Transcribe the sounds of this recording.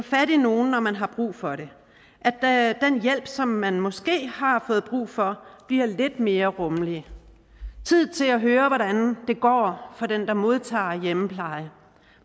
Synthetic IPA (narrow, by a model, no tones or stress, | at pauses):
fæɾino̝ːn̩ːɒmænɦɑ̈b̥ʁṵːfɒ̽ɾe̝ | ʔæ̥d̥enjel̰b̥sɒ̽mːænmɒ̽sɡ̥e̝̰ːhɑ̈fɔ̽ːð̩ˠb̥ʁṵːfɒ̽b̥liɐ̰le̝d̥me̝ːɐʁɔ̽mliə | t͡sʰið̞̰ˠt͡sʰe̝læɦøːɐʋɒɾænd̥e̝ɡ̥ɒ̰ːfɒ̽d̥end̥ɑ̈mo̝ð̞ˠt͡sʰɑ̰̈ːjeməpʰlɑ̈ɪə